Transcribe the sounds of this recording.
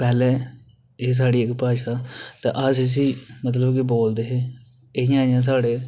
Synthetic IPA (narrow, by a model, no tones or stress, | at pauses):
pɛːlɛː | eːs̬aːɽiːɪkːpaːʃaːt̪ã̰ːʔaːsɪs̬iːmət̪̬ləbkɪboːld̪eːɦeː | ɪɦɪjãːɪjãːs̬aːɽeː